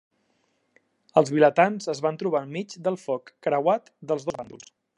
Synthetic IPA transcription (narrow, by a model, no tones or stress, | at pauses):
əlˠzβilət̪anzəzβant̪ɾuβ̞amid͡ʒd̪əlˠfɔkːɾəwat̪d̪əlˠzðozβand̪ṵlˠs